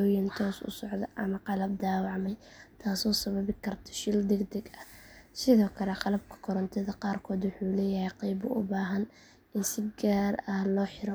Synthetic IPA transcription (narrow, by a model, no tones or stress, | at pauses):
ɔːjɐnt̪ʰɔːsʊ̰sɔʕd̪ɐʔɐmɐqɑlɐb̚d̪aːwɑʕmɛj | t̪ʰaːsɔːsɐβɐβɪkʰɐrt̪ʰɐ̥ʃɪld̪ɛɡd̪ɛɡɐhsɪðɔːkʰɐlɛqɑlɐb̚kʰɐ̥kʰɔɾɔnt̪ʰɛðɐqɑːrkʰɔːd̪wʊħuːlɛːjɐhɛjqɑjbʊʔʊbaːɦɐn | ʔɪnsɪbɡaːrɐhlɔːħɪɾɔ